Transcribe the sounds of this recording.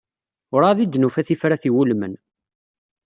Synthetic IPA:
ʊɾaðid̪nufæθifɾæθiwulmə̰n

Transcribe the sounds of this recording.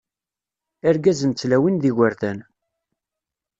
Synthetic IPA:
æɾɡæzənt͡sːlæwinðiʝaɾθæn

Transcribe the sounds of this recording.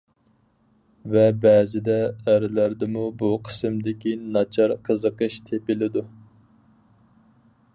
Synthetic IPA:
vɛbɛːzɪd̪ɛːɾɪlæɾd̪ɪmubuqʰə̥sɨmd̪ɪkʲinɑt͡ʃʰɑɾqʰəzəqəʃt̪ʰepɪlɪd̪u

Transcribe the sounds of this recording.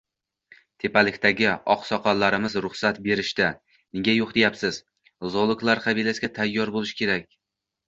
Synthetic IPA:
t̪ʰe̞palɪkʲt̪ʰaɡʲɪɒqsɒqʰɒnlːaɾɪmɪzɾʊχsat̪be̞ɾɪʃt̪a | nɪɡʲajoqd̪ejapsɪz̥ | zolˠʊklˠaɾqʰɑbilasɡʲat̪ʰajːɒɾbolˠɪʃɪ̥kʲʰe̞ɾakʲ

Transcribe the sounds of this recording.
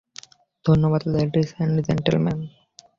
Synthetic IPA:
d̪̥ʱonːoʋat̪leɖisɛ̃ɳɖd͡ʒɛ̰̃ɳʈəlmɛ̃n

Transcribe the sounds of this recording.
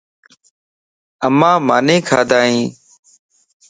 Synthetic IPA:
əmãːmaːnĩːkʰaːd̪aːɦĩː

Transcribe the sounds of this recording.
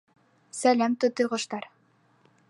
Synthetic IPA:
sælʲæmt̪ut̪ːɯjʁŏʃt̪ɑɾ

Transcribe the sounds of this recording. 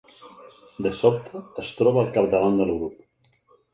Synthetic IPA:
d̪əsɔp̚t̪ʰəːst̪ɾɔβalˠkaɾt̪aland̪əlɣɾup̚

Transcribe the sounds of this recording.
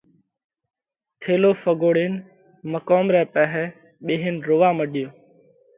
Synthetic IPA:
t̪ʰeːloːfəɡoːɽeːn | məkoːmɾɛːpɛɦɛː | ɓeːɦenɾoːʋaːməɗɪjoː

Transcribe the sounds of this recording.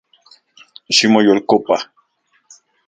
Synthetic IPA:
ʃimojolkopa

